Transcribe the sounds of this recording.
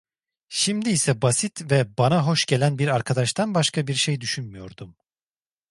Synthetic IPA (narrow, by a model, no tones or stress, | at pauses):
ʃimd̪iːsɛbasit̪vɛbanaɦo̞ʃɟe̞lʲænbiɾaɾkʰad̪aʃt̪ʰanbaʃkʰabiɾʃejd̪yʃynmyjo̞̰ɾd̪um